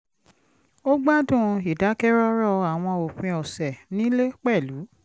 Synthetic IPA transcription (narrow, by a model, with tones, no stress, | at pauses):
o˦ɡ͡ba˦dũ˦˨˧i˨da˨˦kɛ˦ɾɔ˦ɾɔ˦˧a˨w̃ɔ̃˧o˨k͡pĩ˧ɔ˨sɛ˨nĩ˨˦le˦k͡pɛ˦˨lu˨˦